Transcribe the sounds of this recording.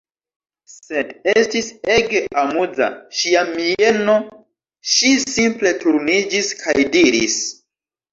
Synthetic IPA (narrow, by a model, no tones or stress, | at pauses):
se̞destise̞ɡe̞ʔamud͡za̰ʃiamieno̞ | ʃisimple̞tuɾnid͡ʒiskʰajdiɾḭs